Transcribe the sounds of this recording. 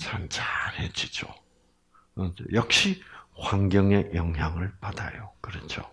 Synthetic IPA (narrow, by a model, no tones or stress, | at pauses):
t͡ɕant͡ɕaɾhet͡ɕid͡ʑo̰ | ʌo̰jʌk̚ɕ͈ihwaŋɡjʌŋe̞jʌŋɦjaŋɯɭpada̰jokɯɾʌt͡ɕʰo